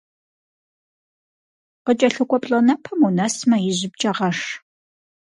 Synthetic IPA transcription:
qət͡ʃʼɐɬɨkʷʼɔpʼɬʼɐnɐpʰɐmunɐsmɐjɪʑɪp̚t͡ʃʼɐʁɐʂ

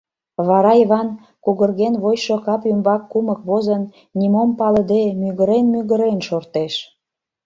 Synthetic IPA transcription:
βɑɾɑiβɑn | kuɣə̆rɣenβojʃokɑpymbɑkːuməkβozən | nʲimompɑlə̆d̪emyɣəɾenmyɣəɾenʃort̪eʃ

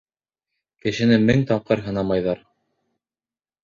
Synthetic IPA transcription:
kɘ̆ʃɘ̆nɘmɘŋt̪ɑp̚qɤɾɦɤ̆nɑmɑjðɑɾ

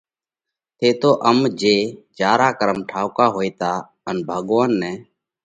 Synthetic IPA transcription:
t̪ʰeːt̪oːʔəmd͡ʒeːd͡ʒaːɾaːkəɾəmʈʰaːʊkaːɦoːiːt̪aː | ənbʱəɠʋənːɛ̃ː

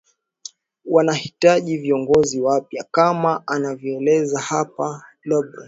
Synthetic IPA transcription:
wanahitaʄiviɔŋɡɔziwapjakamaanavjɔɛlɛzahapa | lɔɓɾa

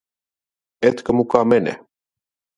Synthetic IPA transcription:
ɛt̪kəmukamɛnɛ̰

